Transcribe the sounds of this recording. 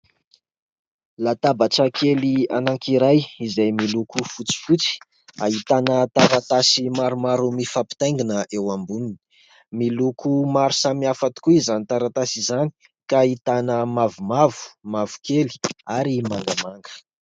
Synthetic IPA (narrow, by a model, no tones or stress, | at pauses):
lat̪abaʈ͡ʂəkʰelianaŋkiɾajizajmilukufut͡si̥fut͡si̥ | ait̪anət̪aɾat̪asimaɾumaɾumifapi̥t̪ajŋɡinəʔewambunin | milukʰumaɾu̥samiafat̪i̥kuizanit̪aɾat̪asizani̥ | kait̪anəmavumavu̥mavu̥keli̥aɾimaŋɡamaŋɡə̥